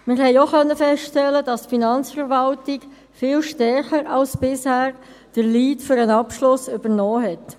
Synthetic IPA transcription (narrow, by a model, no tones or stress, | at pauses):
mɪɾɦɛɪoχœnːəfɛstɛlːədɑstfinɑnt͡sfəɾvɑltɪk | fɪːlʃtɛɾχəɾɑlsbɪshæːɾ | d̥əɾliːtfʏɾənɑpʃlʊsʏb̥əʁnɔːɦɛt